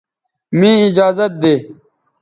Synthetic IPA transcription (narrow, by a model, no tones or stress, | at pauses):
mĩːɪd͡ʑaːzɐt̪̚d̪eː